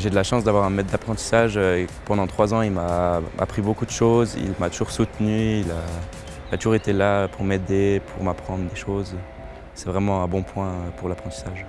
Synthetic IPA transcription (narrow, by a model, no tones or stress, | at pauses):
ʒed̪əlaʃɑ̃sd̪avwaʁɛ̃mɛt̪̚ːd̪apχɑ̃t̪i̥saʒøpɑ̃d̪ɑ̃t̪χwazɑ̃ilmaa̰pχibokud̪əʃoːzḭlmat̪uʒuʁsut̪nyila | ilat̪uʒuʁet̪elaøpuʁmed̪epʰuʁmapχɑ̃d̪ʁd̪eʃoːz | sɛvʁɛmɑ̃ɛ̃bɔ̃pwɛ̃øpuʁlapχɑ̃t̪i̥saʒ